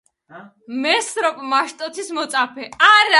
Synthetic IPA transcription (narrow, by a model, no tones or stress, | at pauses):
mɛsɾɔpʼmaʃt̪ʼɔt̪ʰismɔt̪sʼapʰɛaɾa